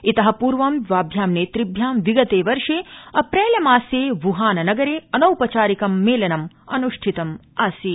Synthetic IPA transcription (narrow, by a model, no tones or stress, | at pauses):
it̪ɐɦɐ̆puːɾʋɐmʋaːbʱjaːmneːt̪ɾibʱjaːmʋiɡɐt̪eːʋɐɾʂeːɐpɾeːljɐmaːseːʋuɦaːnɐnɐɡɐɾeːɐnɐwpɐt͡ʃaːɾikɐmːeːlɐnɐm | ɐnuʂʈʰit̪ɐmaːsi